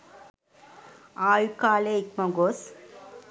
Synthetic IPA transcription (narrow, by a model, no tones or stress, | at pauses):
aːɻkaːleɪk̚mɐɡoːs